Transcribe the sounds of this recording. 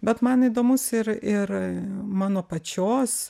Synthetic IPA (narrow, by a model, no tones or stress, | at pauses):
bʲɛt̪mɐniːd̪oːmʊsɪɾɪɾmɑːnoːpɐt͡ʃʲoːs